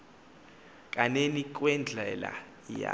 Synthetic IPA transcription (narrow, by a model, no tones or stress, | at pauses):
kʼanenik̬ʼwɛnd͡ɮʱɛla̰ | ja